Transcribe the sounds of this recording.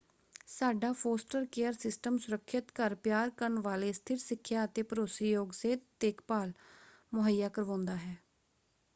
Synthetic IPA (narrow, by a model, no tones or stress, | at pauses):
saːɖaːpʰoːsʈəɾkeːəɾsɪsʈəmsʊɾəkʰːɪt̪kəɾpjaːɾkəɾɳʋaːleːst̪ʰɪɾsɪkʰːjaːət̪eːpəɾoːsiːjoːɡseːt̪eːkpaːl | mʊɦəjːaːkəɾʋãːnd̪aːɦɛː